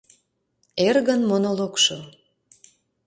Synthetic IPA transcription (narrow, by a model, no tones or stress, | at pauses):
erɣənmonolokʃo